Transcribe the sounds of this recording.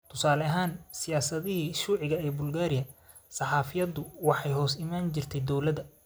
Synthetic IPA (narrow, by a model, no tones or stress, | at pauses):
t̪ʰʊsaːlɐɦaːnsɪjaːsɐðɪhiʃuːʕɪɣɐɛːbʊlɡaːɾɪjɐ | sɑħɑːfɪjɐd̪ʊwɑħɑjɦɔːsɪmaːnt͡ʃɪrt̪ʰɛjd̪ɔwlɐdɐ